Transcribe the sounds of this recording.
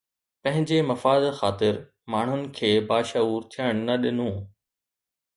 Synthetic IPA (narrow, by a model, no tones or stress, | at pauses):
pɐ̃ɦɪ̃ɲd͡ʑemɐfaːd̪xaːt̪ɪɾ | maːɳ̤ʊnɪ̆kʰeːbaːʃɐuːɾt̪ʰijəɽ̃nɐɗɪnũː